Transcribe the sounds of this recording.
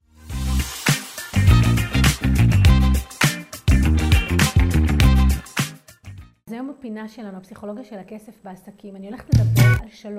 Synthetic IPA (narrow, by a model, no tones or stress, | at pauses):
zajomapinaʃelanuapsiχo̞lo̞ɡjaʃelakesefbeasɐkimanio̞leχtledɐbealʃalo